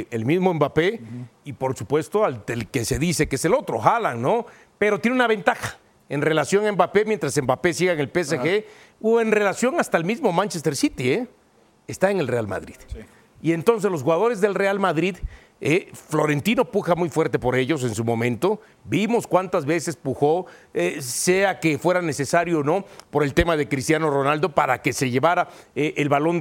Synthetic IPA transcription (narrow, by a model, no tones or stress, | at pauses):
ḛlmizmoembape̞ipo̞ɾsupwe̞st̪oaldelkese̞ðise̞keeselo̞t̪ɾo̞̰xalaŋno | pe̞ɾot̪jeneunaβe̞nt̪axḁ | enre̞lasjo̞ŋaembape̞mje̞nt̪ɾase̞mbape̞siɣaeŋe̞lpesexe | oenre̞lasjo̞ŋast̪aelmizmo̞mant͡ʃest̪eɾsit̪ie | est̪aeŋe̞lrealma̰ðɾið | ie̞nt̪o̞ns̬e̞zlosxuɣaðo̞ɾe̞zðe̞lre̞almaðɾið | eflo̞ɾe̞nt̪ino̞puxamujfwe̞ɾt̪e̞po̞ɾe̞ʝo̞s̬e̞nsumo̞mẽ̞nt̪o̞ | bimo̞skwant̪azβe̞se̞spuxo̞eseake̞fweɾane̞sesaɾjoːno̞po̞ɾe̞lt̪e̞mað̞e̞kɾist̪jano̞ro̞nald̪o̞paɾa̰ke̞se̞ʝe̞βaɾaeʔelβalo̞n